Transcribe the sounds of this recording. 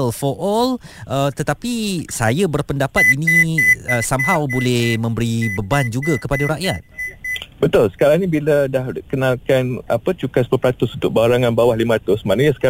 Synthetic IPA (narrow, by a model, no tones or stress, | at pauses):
lfɔʔɔlʔət̪ət̪apisajabərpəndapat̪̚inĩəsamɦawbolɛhmə̃mbəɾibəband͡ʒuɡakəpadaɾaʔjat̪̚bət̪ʊlsə̥kaɾaŋnibiladahkənalkanapət͡ʃukaspəpɾat̪ʊsunt̪ʊk̚baɾaŋãnbawahlimaat̪ʊsmanəɲasə̥k